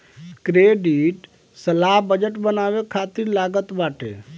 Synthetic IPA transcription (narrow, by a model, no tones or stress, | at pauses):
kɾeɖiʈ | səlaɦbəd͡ʒəʈbənabekʰat̪iɾlaɡət̪baʈḛ